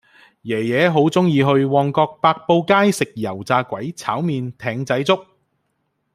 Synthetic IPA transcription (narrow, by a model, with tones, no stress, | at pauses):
jɛː˨˩jɛː˨˥ɦo˨˥wt͡sʊ˥ŋjiː˧ɦɵ˧ɥwɔː˧ŋkɔː˧k̚paː˧k̚po˧wkaː˥jsɪ˨k̚jɐ˨˩wt͡saː˧kʷɐ˨˥jt͡sʰaː˨˥wmiː˧nt̪ʰɛː˨˧ŋt͡sɐ˨˥jt͡sʊ˥k̚